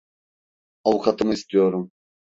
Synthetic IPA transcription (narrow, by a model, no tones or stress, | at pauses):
ɑwkʰɑt̪ʰɯmɯist̪ijoɾum